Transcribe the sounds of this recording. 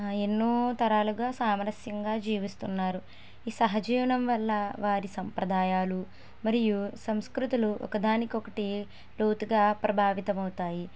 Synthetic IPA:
e̞nːuːt̪ɐɾaːluɡaːsaːmɾɐsjɐŋɡaːd͡ʒiːʋist̪unːaːɾu | iːsɐɦɐd͡ʒiːʋɐɳɐmʋɐlːɐʋaːɾisɐmpɾɐd̪aːjaːlu | mɐɾijusɐmskɾut̪uluʔɔ̰kɐd̪aːnikɔkɐʈi | loːt̪uɡaːpɾɐbʱaːʋit̪ɐmɐwut̪aːji

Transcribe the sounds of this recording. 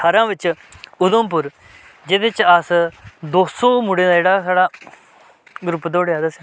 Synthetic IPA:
aɾãːʋɪt͡ʃʊd̪əmpʊɾ | d͡ʒeːt̪ɪt͡ʃasd̪oːsoːmʊɽẽːd̪aːeːɽaːsaːɽaː | ɡɾʊpd̪oːɽjaːd̪aːs

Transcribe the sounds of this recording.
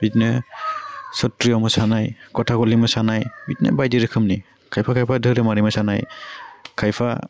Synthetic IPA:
bitnɯ | sɔtɾiɔmɯsanajkɔtʰakɔlimɯsanajbitnɯ̰bajdiɾɯkʰɯmni | kʰajpʰakʰajpʰadʱɯɾɯmaɾimɯsanaj | kʰajpʰa̰

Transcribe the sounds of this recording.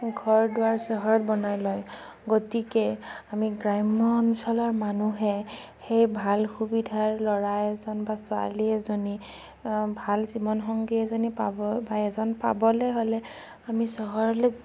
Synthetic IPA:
ɡʱɔɹdʊaɹsɔɦɔɹɔt̚bɔnajlɔj | ɡɔtikɛamiɡɹajmɔnsɔlaɹmanuɦɛ | xejbʱalxubidʱaɹlɔɹajɛzɔnbasʊa̰liɛzɔni | bʱalzibɔnxɔŋɡiɛzɔnipa̰bɔbaɛzɔnpa̰bɔlɛɦolɛ | amisɔɦɔɹɔlɛ

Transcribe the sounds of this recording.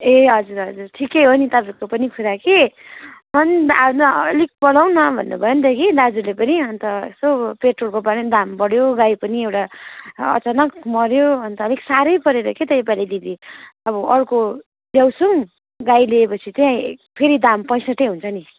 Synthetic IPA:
eɦʌd͡zuɾɦʌd͡zurʈʰikejɦonit̪apikopʌnikʰuɾake | mʌnd̪anʌlik̚bʌɽawnʌbʱʌ̰nːubʱʌjʌnt̪ʌkid̪ad͡zulepʌniʌnt̪ʌ̰sopeʈrolkobʌɽd̪ambʌɽjoɡajpʌniewʈaʌ̰t͡sanʌkmʌɾjoʌnt̪ʌːliksaɾʌjpʌɾeɾʌket̪ʌjpalid̪id̪iʌbʌʔʌɽko | ljawsʌŋ | ɡajleepʌt͡sʰit̪jãpʰeɾid̪ampʌj̃sʌʈ̪eɦunt͡sʰʌni

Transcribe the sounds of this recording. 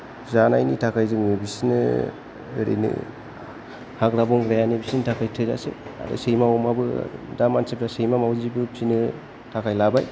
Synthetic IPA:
zana̰jnitʰakʰajzɯŋɯbisinɯ̰ | ɾḛnɯ̰ | hakɾabɔŋɡɾajanebisintʰakʰajtʰɯza̰sḛa̰dɯ̰sejmawɔmabɯdamansep̚tasejmamawzibɯbsinɯ | tʰakʰajlabaj

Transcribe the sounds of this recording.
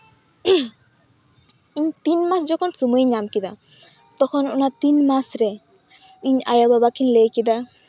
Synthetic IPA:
iɲt̪inmaszɔkʰɔnsumojɲamkid̪a̰ | t̪ɔkʰɔnṵnat̪inmasɾɛ | iɲa̰jababakʰinlejkid̪a

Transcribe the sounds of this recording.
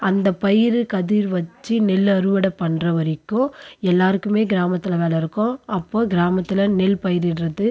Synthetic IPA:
ɐnd̪ɐpɐjɪɾɯkɐðiɾʋɐt͡ʃːinɪlɐɾɯʋɐɽɐpːɐɳrɐʋɐɾɪkːʊ̃ɛlːaːɾɯkːɯmeːɡɪɾaːmɐt̪ːɪlɐʋeːlɐɪɾɯkːõɐpːoːɡɪɾaːmɐt̪ːɪlɐnɪlpɐjɪɾɪɾrɐðɯ

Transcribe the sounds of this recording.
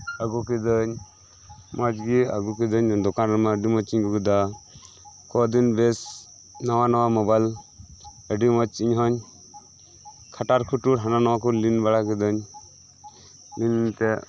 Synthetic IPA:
əɡukid̪əɲ | mɔd͡ʒɡia̰ɡukid̪əɲd̪ɔkanɾəmaəɖimɔt͡ʃiɲɡuɡud̪a | kɔd̪inbes | nɔwanɔwamɔbal | əɖimɔt͡ʃiɲɦɔɲ | kʰaʈaɾkʰuʈuɾɦananɔwakuɾlinbaɽakid̪ɔɲ | linnt̪ɛ

